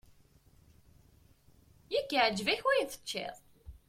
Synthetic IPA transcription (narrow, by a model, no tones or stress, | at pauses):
jækːaʕd͡ʒːvæçwæjnθə̥t͡ʃːɪ̰ðˤ